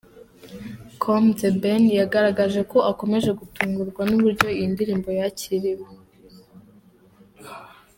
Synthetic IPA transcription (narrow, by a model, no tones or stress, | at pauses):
kʰomzebenjaɡaɾaɡaʒe̞ko̞ʔako̞me̞ʒe̞ɡutuːŋɡuɾɡwanuβuɾɟo̞iindiɾiːmbo̞jaciɾiwo